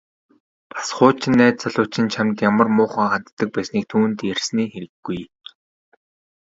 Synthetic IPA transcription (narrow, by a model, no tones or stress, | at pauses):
pʰḁsχʊːt͡ɕʰɪ̆nːæːt̪t͡saɮʊːt͡ɕɪ̆nt͡ɕʰamt̪jamə̆rmʊːχə̆ːŋχant̪ːə̆k̚pæːsniːk̚t̪ʰuːnt̪ersniːxeɾɘ̆ɡːuj